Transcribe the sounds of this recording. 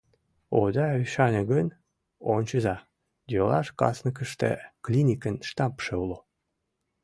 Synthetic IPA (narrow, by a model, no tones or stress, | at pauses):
od̪ɑyʃɑnʲeɡən | o̰nʲt͡ɕəzɑ | d̪ʲolɑʃkɑ̰snək̬əʃt̪ḛklʲinʲikənʃt̪ɑpʃeulo